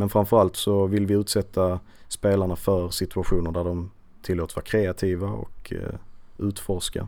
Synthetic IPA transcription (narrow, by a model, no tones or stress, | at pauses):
mɛnfɾamfœɾalt̪sɔvɪlvɪʉ̟ːt̪sɛt̪ʰːa | speːlaɳafœɾsɪt̪ɵaɧuːnəɖæɖɔm | t̪ʰɪlːoːt̪vɑ̰ːɾkʰɾeːat̪ʰiːvaɔ̰kʰ | ʉ̟ːt̪fɔʂka̰